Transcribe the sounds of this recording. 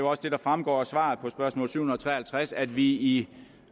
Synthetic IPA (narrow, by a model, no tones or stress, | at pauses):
oɒ̽sd̥e̝d̥ɑ̈fʁamɡ̥ɒ̰ːɒsʋɑ̰̈ːð̩ˠpʰɒ̽sb̥ɶɐsmɔ̰ːlsy̰ʊun̩ˠɒt͡sʰʁɛ̰ːhælt͡sʰʁasæd̥ʋii